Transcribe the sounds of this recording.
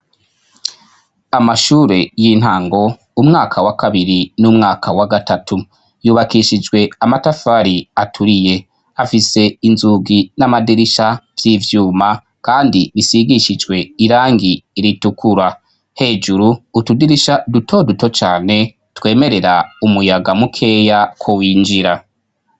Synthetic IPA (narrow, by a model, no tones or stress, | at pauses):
amaʃuːɾe̞jin̥haːŋɡo̞ | umŋaːkʰawakaβiɾinumŋaːkʰawaɡatatʰu | juːβakiʃid͡ʒɡwe̞amatafaɾiatʰuɾije̞ | afise̞inzuɡinamadiɾiʃavjiːvjuːma | kaːndiβisiɡiʃid͡ʒwe̞iɾaːŋɡiːɾitukʰuɾa | he̞ːd͡ʒuɾuːtudiɾiʃadutʰo̞duto̞t͡ʃaːne̞ | twe̞ːme̞ɾe̞ɾaumujaɡamukʰe̞jakʰo̞wiːnd͡ʒiɾa